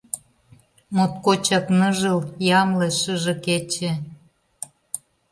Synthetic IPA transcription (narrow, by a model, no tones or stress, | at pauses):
mot̪̚kot͡ɕɑknəʒəljɑmleʃəʒɤ̆ket͡ɕe